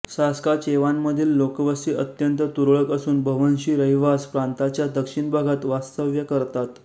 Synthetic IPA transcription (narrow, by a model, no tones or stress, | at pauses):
saskat͡ɕeʋanməd̪ʱiːllokəʋəsiːʔət̪jənt̪ət̪uɾɭəkəsuːnbʱəʋənɕiːɾəɦiʋaspɾant̪at͡ɕjad̪əkʂiɳbʱaɡʱat̪ʋast̪əʋjəkəɾt̪at̪